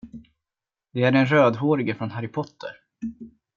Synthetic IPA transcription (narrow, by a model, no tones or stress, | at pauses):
d̪ɛæɖɛnɾøːd̪ɦoːɾɪɡəfɾɔnɦaɾɪpʰɔt̪ʰːə̰ɾ